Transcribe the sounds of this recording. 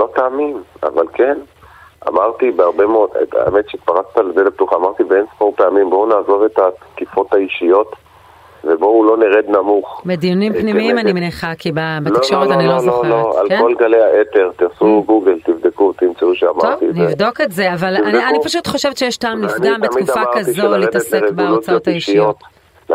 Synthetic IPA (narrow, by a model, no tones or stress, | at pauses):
lo̞t̪aːmima̰valke̞n | a̰maʁt̪ibeaʁbemeod̪̰a̰ḛmet̪ʃet̪paʁat͡st̪aledeleb̚t̪uχaːmaʁt̪ibeensmopeamimbo̞unaːzo̞ve̞t̪akifo̞t̪haiʃijo̞t̪ | vebo̞ulo̞neʁed̪namuχbed̪ijunimpnimiimanimeniχakʰibabeakʃoʁottanilolooa̰lko̞lɡalejaʔet̪eʁt̪iʁsuɡuɡelt̪ivd̪ekut̪imt͡seuʃeamaʁovt̪inivdo̞ketzeavalanianipaʃutχo̞ʃevetʃejeʃtaːmliɡambetkufakazolitasleʁebeut͡sajotaiʃijot̪